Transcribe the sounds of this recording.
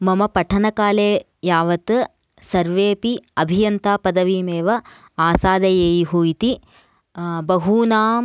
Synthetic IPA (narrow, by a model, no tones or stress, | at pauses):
mɐmɐpɐʈʰɐnɐkaːleː | jaːʋɐt̪ɨ | sɐɾʋeːpiɐbʱijɐnt̪aːpɐd̪ɐʋimeːʋɐ | aːsaːd̪ɐjeːjiɦuit̪i | bɐɦuːnaː